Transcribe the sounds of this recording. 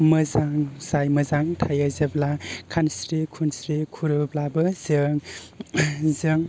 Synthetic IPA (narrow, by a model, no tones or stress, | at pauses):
mɯzaŋzajmɐzaŋtʰajazeblakʰansɾikʰunsɾikʰuɾɯblabɯzɯŋ | zɯŋ